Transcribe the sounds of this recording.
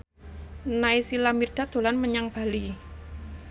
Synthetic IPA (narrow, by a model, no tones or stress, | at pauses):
naisilamird̪̥a̤d̪̥o̤lanməɲaŋb̥a̤li